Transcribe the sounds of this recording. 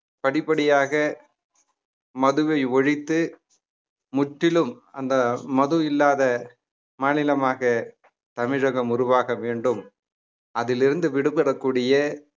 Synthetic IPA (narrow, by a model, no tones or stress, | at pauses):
pɐɽɪpːɐɽɪjaːɣɐ | mɐðɯʋɐɪɔɻɪt̪ːɯ | mʊʈːɪlɯm | ɐnd̪ɐmɐðɯɪlːaːðɐ | maːnɪlɐmaːɣɐ | t̪ɐmɪɻɐɣɐmʊrʊʋaːɣɐʋeːɳɖɯm | ɐðɪlɪɾɯnd̪ɯʋɪɽɯpːɐrɐkːuːɽɪjɐ